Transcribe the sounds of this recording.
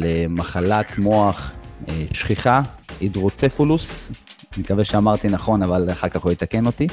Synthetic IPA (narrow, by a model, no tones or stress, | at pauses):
lemaχalat̪mo̞aχeʃχiχaid̪ʁot͡sefulusnikaveʃeamaʁt̪inaχo̞navalaχaʁkaχojet̪ake̞no̞t̪i